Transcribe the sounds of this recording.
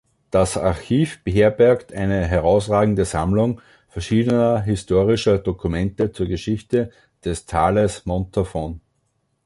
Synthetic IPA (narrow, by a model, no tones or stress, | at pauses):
d̥asaɐçiːfb̥əɦeːɐbɛɐktʰʔæɪnəɦɛʁaʊsʁaːɡŋ̩dəzamlʊŋ | fɛɐʃiːdənɐɦɪstoːʁɪʃɐd̥okʰumɛ̃ntət͡suːɐɡəʃɪçtə | d̥ɛstʰaːləsmɔ̃ntʰəfɔn